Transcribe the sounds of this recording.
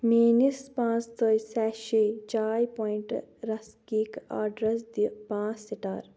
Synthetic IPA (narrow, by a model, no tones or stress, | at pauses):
meːnispãːt͡st̪əjsɛːʃit͡ʃaːjpoːiɳʈɾɐskika̰ːɖɾɐsd̪ipãːt͡ssiʈaːɾ